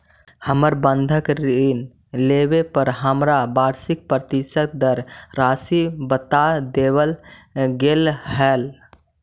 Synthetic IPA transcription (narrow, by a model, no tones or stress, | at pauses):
həməɾbənd̪ʱəkɾin | lebepəɾɦəmɾabaɾsik̚pɾət̪isət̪̚d̪əɾɾasibət̪ad̪ebəlɡelhɦɛl